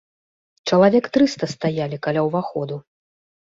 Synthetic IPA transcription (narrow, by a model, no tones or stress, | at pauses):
t͡ʂɐlˠavʲɛkt̪ɾɨst̪ɐst̪ajalʲikalʲawvaxɔd̪u